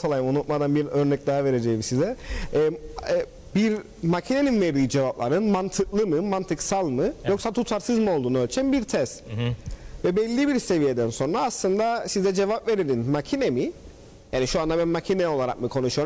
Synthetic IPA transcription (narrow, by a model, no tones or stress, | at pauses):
sʰalˠajɯmunut̪̚mad̪anbiɾø̞ɾnɛc̚d̪aɦave̞ɾe̞d͡ʒejmisizɛː | biɾ | macʰine̞ninveɾd̪iːd͡ʒe̞vaplˠa̰ɾɯnmant̪ʰɯklˠɯmɯmant̪ʰɯksalˠmɯjo̞ksat̪ʰut̪ʰaɾsɯzmɯo̞lˠd̪uːnølʲt͡ʃʰænbiɾt̪ʰɛst̪ | vɛbɛlʲːibiɾse̞vije̞d̪ænso̞nɾaːslˠɯnd̪asizɛd͡ʒe̞vapve̞ɾelʲinmacʰinemi | jaːniʃuand̪abænmacʰinɛo̞lˠaɾa̰kmɯkʰo̞nuʃujoɾum